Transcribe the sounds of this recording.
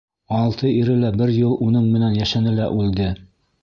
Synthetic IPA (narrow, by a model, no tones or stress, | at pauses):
ɑlˠt̪ʰɤiɾɘlæbɘɾjɤlˠunɤɴmɘ̆nænjæʃænɘlæʔʉld̪ɘ